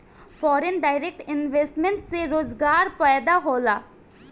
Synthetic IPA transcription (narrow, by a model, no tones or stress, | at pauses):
fʰɔːɾenɖaːɪɾeːk̚ʈɪnʋeːsʈmẽɳʈseɾoːzɡaːɾpɛːjd̪aɦoːlaː